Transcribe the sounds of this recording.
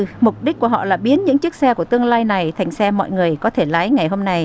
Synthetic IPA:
mʊ˨˩k͡p̚ɗi˦˥k̚ku˧˩əɦɔ̰˧˨laː˨˩ɓi˨˦ənɲɨ̰˧˥ŋt͡ɕɨ˦˥ək̚sɛ˧ku˧˩ət̪ɨ˧əŋlaː˧jna˨˩jt̪ʰa˨˩jŋ̟sɛ˧mɔ̰˧˨jŋɨ˨˩əjkɔ˨˦t̪ʰe˧˩laː˨˦jŋa˨˩jɦo˧mna˧j

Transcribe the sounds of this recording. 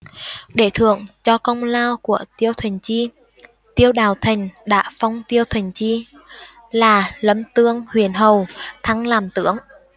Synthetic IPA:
ɗe˧˩t̪ʰɨ̰˧˩˨əŋt͡ɕɔ˧kə˧wŋ͡mlaː˧wku˧˩ət̪i˧əwt̪ʰwi˨˩ŋ̟t͡ɕi˧ | t̪i˧əwɗaː˨˩wt̪ʰï˨˩ŋ̟ɗa̰ː˧˥fa˧wŋ͡mt̪i˧əwt̪ʰwi˨˩ŋ̟t͡ɕi˧ | laː˨˩lə˨˦˥mt̪ɨ˧əŋhwḭ˧˩˨ənɦə˨˩wt̪ʰa˧ŋlaː˨˩mt̪ɨ̰˧˥əŋ

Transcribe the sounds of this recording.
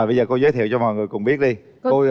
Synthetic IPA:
ɓə˧jzəː˨˩ko˧zəː˨˦jt̪ʰi˧˨wt͡ɕɔ˧mɔ̰˧˨jŋɨ˨˩əjkʊ̰˨˧˩ŋ͡mɓi˦˥ət̚ɗi˧ | ko˧

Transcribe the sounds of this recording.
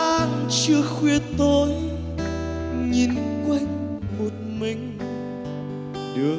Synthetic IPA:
ʔaː˧nt͡ɕɨ˧əxwi˧ət̪o˧j | ɲi˨˦nkwa˧jŋ | mo˨˩t̚mï˨˩ŋ̟ | ɗɨ˨˦

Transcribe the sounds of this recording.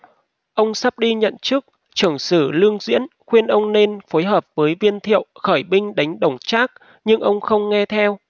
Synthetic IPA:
ʔə˧wŋ͡msaː˦˥p̚ɗi˧ɲə̰˧˨nt͡ɕɨ˦˥k̚ | t͡ɕɨ˧˩əŋsɨː˧˩lɨ˧əŋzwḭ˧˥ənxwi˧ənʔə˧wŋ͡mne˧nfo˨˦jɦəː˨˩p̚vəː˨˦jvi˧ənt̪ʰḭ˧˨əwxəː˧˩jɓï˧ŋ̟ɗa˨˦jŋ̟ɗə˧˩wŋ͡mt͡ɕaː˦˥k̚ | ɲɨ˧ŋʔə˧wŋ͡mxə˧wŋ͡mŋɛ˧t̪ʰɛ˧w

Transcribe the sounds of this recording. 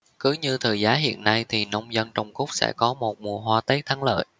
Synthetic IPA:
kɨ˨˦ɲɨ˧t̪ʰəː˨˩jzaː˨˦ɦḭ˧˨ənːa˧jt̪ʰi˨˩nə˧wŋ͡mzə˧nt͡ɕɔ˧wŋ͡mkʊ˦˥wk͡p̚sɛ̰˧˥kɔ˨˦mo˨˩t̚mu˨˩əɦwaː˧t̪əː˨˦˥j̚t̪ʰa˨˦ŋlə̰ː˧˨j

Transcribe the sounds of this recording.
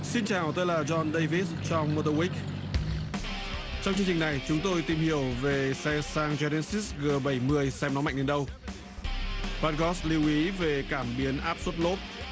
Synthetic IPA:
si˧nt͡ɕaː˨˩wt̪ə˧jlaː˨˩zɔ˧nɗə˧jvi˦˥t̚t͡ɕɔ˧wŋ͡mmo˧t̪ə˧wi˦˥k̚ | t͡ɕɔ˧wŋ͡mt͡ɕɨ˧əŋt͡ɕï˨˩ŋ̟na˨˩jt͡ɕʊ˨˦ŋ͡mt̪o˧jt̪i˨˩mhi˧˩əwve˨˩sɛ˧saː˧ŋzɛ˧nɛ˧si˦˥sɣəː˨˩ɓə˧˩jmɨ˧əjsɛ˧mnɔ˨˦ma̰˧˨ŋne˨˩nɗə˧w | ɓaː˦˥t̚ɣɔ˦˥sli˨˧əwʔi˨˦ve˨˩kaː˧˩mɓi˨˦ənʔaː˦˥p̚swə˦˥t̚lo˦˥p̚

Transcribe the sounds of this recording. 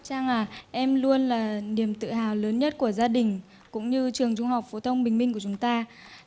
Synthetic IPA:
t͡ɕaː˧ŋaː˨˩ʔɛ˧mlu˧ənlaː˨˩ni˧˩əmt̪ɨ̰˧˨ɦaː˨˩wləː˨˦nɲə˦˥t̚ku˧˩əzaː˧ɗï˨˩ŋ̟ | kʊ̰˧˥ŋ͡mɲɨ˧t͡ɕɨ˨˩əŋt͡ɕʊ˧ŋ͡mha˨˩wk͡p̚fo˨˦t̪ʰə˧wŋ͡mɓï˨˩ŋ̟mï˧ŋku˧˩ət͡ɕʊ˨˦ŋ͡mt̪aː˧

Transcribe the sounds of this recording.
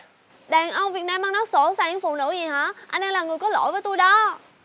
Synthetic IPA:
ɗaː˨˩ŋʔə˧wŋ͡mvi˨˩ət̚naː˧mːaː˧nɔ˨˦so˧˩saː˧˩ɲɨ˧˦ŋfu˨˩nɨ̰˧˥zi˨˩hɔ̰ː˧˥˦ʔa˧nɗɛː˧ŋlaː˨˩ŋɨ˨˩əjkɔ˨˦lo̰˧˩˨jvəː˨˦jt̪u˧jɗɔ˨˦

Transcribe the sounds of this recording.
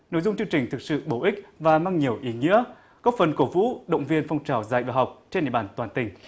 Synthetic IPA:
no̰˧˥˨jzʊ˧ŋ͡mt͡ɕɨ˧əŋt͡ɕï˨˩ŋ̟t̪ʰɨ˨˩k̚sɨ̰˧˨ɓo˧˩ʔï˦˥k̟̚vaː˨˩maː˧ŋɲi˨˩əwʔi˨˦ŋḭ˧˥ə | kɔ˨˦˥fə˨˩nko˧˩vṵ˧˥ɗə̰˧˨wŋ͡mvi˧ənfɔ˧wŋ͡mt͡ɕaː˨˩wza̰ː˧˨jvaː˨˩ɦa˨˩wk͡p̚t͡ɕe˧nɗ̰ḭ˧˨ɓaː˧˩nt̪waː˨˩nt̪ï˨˩ŋ̟

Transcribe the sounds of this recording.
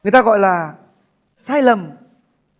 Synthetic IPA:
ŋɨ˨˩əjt̪aː˧ɣɔ̰˧˨jlaː˨˩ | saː˧jlə˨˩m

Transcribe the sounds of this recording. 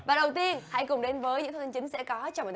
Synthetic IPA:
vaː˨˩ɗə˨˩wt̪i˧ənha̰˧˥jkʊ˨˩ŋ͡mɗe˨˦nvəː˨˦jɨ̰˧˥t̪ʰt̪ʰːt͡ɕŋ̟sɛ̰˧˥kɔ˨˦t͡ɕɔ˧ŋ͡m̪

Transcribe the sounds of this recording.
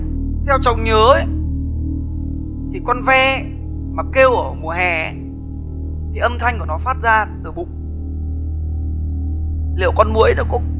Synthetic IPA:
t̪ʰɛ˧wt͡ɕə˨˩wŋ͡mɲəː˨˦ | t̪ʰi˨˩kɔ˧nvɛ˧ | maː˨˩ke˧wʔəː˧˩mu˨˩əɦɛ˨˩˦ | t̪ʰi˨˩ʔə˧mt̪ʰa˧jŋ̟ku˧˩nɔ˨˦faː˦˥t̚zaː˧t̪ɨ˨˧˩ɓʊ̰˧˨ŋ͡m | lḭ˧˨əwkɔ˧nmu˧˨əjɗə̰˨˧˦kʊ̰˧˥ŋ͡m

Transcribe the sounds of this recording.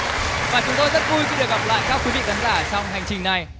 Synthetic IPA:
vaː˨˩t͡ɕʊ˨˦ŋ͡mt̪o˧jzə˦˥t̚vu˧jxi˧ɗɨ˨˩ək̚ɣa˨˩p̚la̰ː˧˨jkaː˦˥k̚wi˨˦vḭ˧˨ka˨˦nzaː˧˩t͡ɕɔ˧wŋ͡mɦa˨˩jŋt͡ɕï˨˩ŋ̟na˨˩j

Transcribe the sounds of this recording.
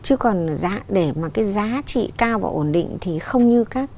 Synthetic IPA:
t͡ɕɨ˨˦kɔ˨˩nzaː˨˦ɗe˧˩maː˨˩kaː˨˦jzaː˨˦t͡ɕḭ˧˨kaː˧wva̰ː˨˩ʔo˧˩nɗḭ˧˨ŋ̟t̪ʰi˨˩xə˧wŋ͡mɲɨ˧kaː˦˥k̚

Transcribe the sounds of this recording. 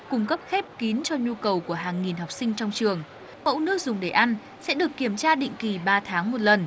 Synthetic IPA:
kʊ˧ŋ͡mkə˦˥p̚xe˦˥p̚ki˨˦nt͡ɕɔ˧ɲu˧kə˨˩wku˧˩əɦaː˨˩ŋːi˨˩nɦa˨˩wk͡p̚sï˧ŋ̟t͡ɕɔ˧wŋ͡mt͡ɕɨ˨˩əŋ | mə̰˧˨wnɨ˦˥ək̚zʊ˨˩ŋ͡mɗe˨˩ʔa˧n | sɛ̰˧˥ɗɨ˨˩əkːi˧˩əmt͡ɕaː˧ɗḭ̈˧˨ŋ̟ki˨˩ɓaː˧t̪ʰaː˨˦ŋmo˨˩t̚lə˨˩n

